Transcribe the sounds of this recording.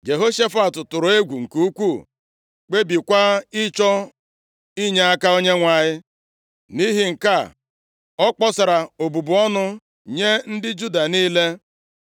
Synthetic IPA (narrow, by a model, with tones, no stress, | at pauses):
d͡ʒe˨ɦo˦ʃe˦fa˦˨tʊ˨tʊ˨ɾʊ˨e˦ɡʷu˨ŋ̩˨ku˦u˦kʷu˦˨ | k͡pe˦bi˨kʷa˦ɪ˦t͡ʃɔ˦ | i˦ɲe˦a˦ka˦o˦ɲe˦ŋʷa˨ɲɪ˦ | ni˦ɦɪ˨ŋ̩˨ka˦˨ | ɔ˦k͡pɔ˦sa˨ɾa˨o˨bu˨bʊ˨ɔ˦nʊ˦ | ɲe˦n̩˦dɪ˦d͡ʒu˦da˨niː˦le˦